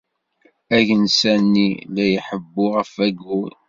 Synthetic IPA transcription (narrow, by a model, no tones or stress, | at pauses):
æʝənsænːilæjəħəbːʊʁəfæɡul